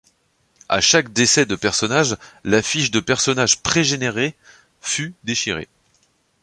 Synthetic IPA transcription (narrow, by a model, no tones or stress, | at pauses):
a̰ʃakd̪esɛd̪əpɛʁsɔnaʒlafiʃd̪əpɛʁsɔnaʒpχeʒeneʁe | fyd̪eʃiʁḛ